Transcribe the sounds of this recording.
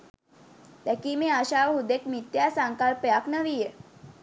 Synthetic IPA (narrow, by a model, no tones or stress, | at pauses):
t̪ɛkimẽaɕaʋɦud̪ekmit̪jasaŋkalpjaknəʋije